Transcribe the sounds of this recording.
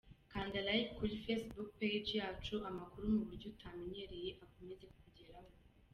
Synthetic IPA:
kandalajkulifesbuk̚ped͡ʒjatuʔamakuɾumuβuɾɟutʰamineɾijiʔakumɛzekukuɟɛɾam

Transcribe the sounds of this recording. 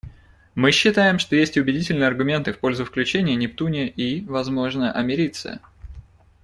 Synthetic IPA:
mɨɕːɪt̪ajɪmʂt̪o̞jesʲtʲʊbʲɪdʲitʲɪlʲnɨjəɐrɡʊmʲe̞nt̪ɨfpo̞lʲzʊfklʲʉt͡ɕenʲɪjənʲɪpt̪unʲɪjəʔivɐzmo̞ʐnəjəʔɐmʲɪɾʲit̪sɨ̰jə

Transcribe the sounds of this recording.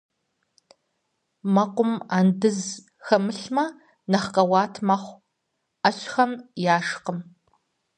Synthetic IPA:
mɐqʷʊmaːndɨz | xɐmɨɬmɐ | nɐχqɐwɑːtʰmɐχʷ | ɐɕxɐmjaːʂqəm

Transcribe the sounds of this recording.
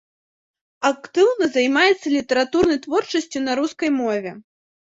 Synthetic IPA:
akt̪ɨwnɐzajmajɛt̪sːɐlʲit̪ɐɾat̪urnɐjt̪vɔrt͡ʂɐsʲt͡sʲunaɾuskɐjmɔvʲɛ

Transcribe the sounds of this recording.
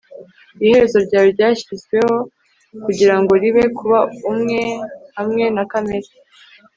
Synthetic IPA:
ihe̞ɾezo̞ɾɟaːjoɾɟaːçiizɡwe̞ho̞ | kuɟiɾaŋɡo̞ɾiβe̞kʰuβaumŋe̞hamŋe̞nakame̞ɾi

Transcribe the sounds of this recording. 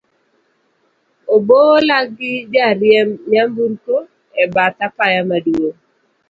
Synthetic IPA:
obolaɡɪd͡ʒaɾɪjɛmɲambunko | ɛbat̪apajamaduo

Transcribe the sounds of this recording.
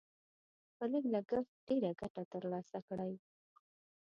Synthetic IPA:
pələɡlaɡəft̪̚ɖ̥eɾaɡaʈat̪əɾlɑsakɽaj

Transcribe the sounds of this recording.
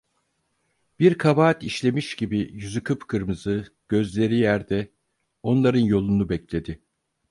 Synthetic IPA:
b̥iɾkʰabaːt̪iʃlʲe̞miʃɟibijyzykʰɯpkʰɯɾmɯzɯɟ̥ø̞zlʲe̞ɾijæɾd̪ɛ | o̞nlˠaɾɯnjo̞lˠunubɛclʲe̞d̪ɪ

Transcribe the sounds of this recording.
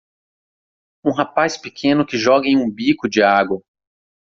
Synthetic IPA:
ũɦapaspɪkʰẽnʊkɪʒɔɡɐẽj̃ũbikʊd͡ʒɪaɡwɐ

